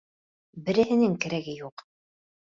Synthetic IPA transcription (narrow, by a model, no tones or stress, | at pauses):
bɘ̆ɾɘ̆hɘ̆nɘŋkɘ̆ɾæɡɘjuq